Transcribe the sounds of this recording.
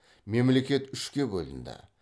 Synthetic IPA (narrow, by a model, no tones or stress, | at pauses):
me̞mle̞kʲe̞t̪ʏʃkʲe̞bo̰lɪ̰nd̪ɪ̰